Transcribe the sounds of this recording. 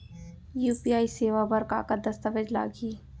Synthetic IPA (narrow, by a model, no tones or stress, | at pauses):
juːpiːaːiseːʋabɐɾka̰ːkad̪ɐst̪əʋəd͡ʒla̰ːɡiː